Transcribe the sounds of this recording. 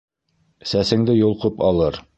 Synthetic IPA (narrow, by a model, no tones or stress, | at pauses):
sæsɘ̆ŋd̪ɘjŭlˠqɤpɑlˠɤɾ